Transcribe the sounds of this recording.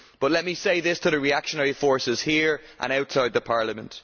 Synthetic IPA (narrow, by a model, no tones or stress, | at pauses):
b̥ʌtˡlɛt̚miseɪðɪstʰəðəɹiakʃənɛɹifɔɹsɪz̥hiːɹʔə̰̃ñaʊtsaɪd̪̚ðəpʰaɹləmə̃nt